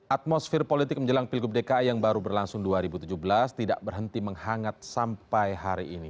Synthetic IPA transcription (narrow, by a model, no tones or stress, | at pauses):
ʔat̪̚mosfɪrpolit̪ɪk̚məɲd͡ʒəlaŋpilɡʊp̚dekajaŋbaɾubərlaŋsʊŋduaɾibut̪ud͡ʒuhbəlast̪ida̰ʔbərɦənt̪iməŋhaŋat̪̚sampajɦaɾiʔini